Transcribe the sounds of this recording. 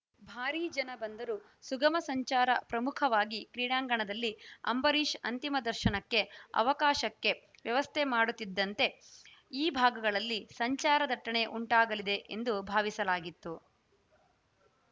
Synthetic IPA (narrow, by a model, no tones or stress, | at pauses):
bʱaːɾiːd͡ʒɐnɐbɐnd̪ɐɾu | suɡɐmɐsɐɲt͡ʃaːɾɐpɾɐmukʰɐʋaːɡikɾiːɽaːŋɡɐɳɐd̪ɐlːiɐ̰mbɐɾiːʃɐ̰nt̪imɐd̪ɐɾʃɐnɐkːe̞ɐ̰ʋɐkaːʃɐkːe̞ | ʋjɐʋɐst̪ʰemaːɽut̪ːid̪ːɐnt̪e̞ | iːbʱaːɡɐɡɐɭɐlːisɐɲt͡ʃaːɾɐd̪ɐʈːɐɳe̞ʔuɳʈaːɡɐlid̪e̞ʔend̪ubʱaːʋisɐlaːɡit̪ːu